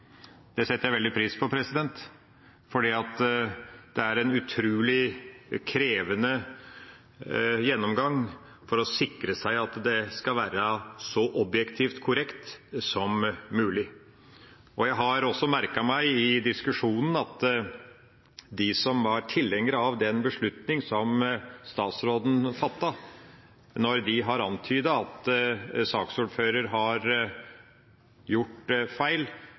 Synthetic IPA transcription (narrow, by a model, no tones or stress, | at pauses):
d̪̥ɛsɛt̪əjæɪʋɛld̪ɪpʰɾiːspʰɔpʰɾɛsɪd̪ɛnt̪ | fɔɖiːɑt̪ | d̪ɛæɾɛnʉt̪ʰɾʉːlɪkʰɾeːʋənə | jɛnːɔmɡɑŋ | fɔɾɔsɪkɾəsæɪɑt̪d̪ɛskɑlʋæːɾəsɔʔɔbjɛkt̪ʰiːft̪kʰʊɾɛkt̪sɔmːʉːlɪ | ɔjæɪɦɑɾɔsːɔmæɾkɑmæɪɪd̪ɪskʉʂuːnən̩ɑt̪ | d̪ɪsɔmʋɑɾʈʰɪlːɛŋːəɾəɑʋd̪ɛnbəʂɭʉt̪nɪŋsɔmst̪ɑːt̪sɾoːd̪n̩fɑt̪ːɑ | nɔɾd̪ɪɦɑɾɑnt̪ʰyːd̪əɑt̪sɑːksuːɖføːɾəɾɦɑɾ | jʊʈːfæɪl